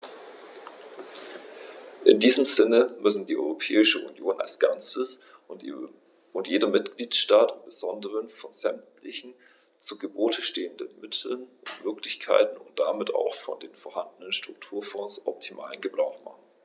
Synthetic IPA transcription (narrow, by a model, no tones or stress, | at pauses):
ʔɪndiːzəmzɪnəmʏsn̩diːʔɔ̰ʏʁopʰɛːɪʃəṵnjoːna̰lsɡ̥ant͡səs | ʊntjeːdɐmɪtɡ̥liːtʃtaːtɪmb̥əzɔndəʁənfɔnz̥ɛmtʰlɪçn̩ | t͡suɡəboːtʰəʃteːəndənmɪtʰl̩nʊntmøɐklɪçkʰa̰ɪtn̩ʊ̰ntd̥amɪta̰ʊxfɔ̰ndeːnfɔːɐɦandənənʃtʁ̥ʊk̚tʰuːɐfɔ̃ːsʔɔ̰p̚tʰimʔa̰ːlənɡəbʁaʊxma̰χn̩